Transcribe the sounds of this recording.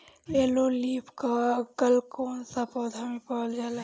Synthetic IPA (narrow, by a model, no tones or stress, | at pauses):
leːloliːpʰkakəlkoːnsapɔːd̪ʱamẽpɔːld͡ʒaːla